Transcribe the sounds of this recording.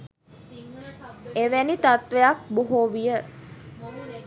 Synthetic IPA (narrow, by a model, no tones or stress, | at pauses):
eʋænit̪at̪ʋejak̚boɦoʋijə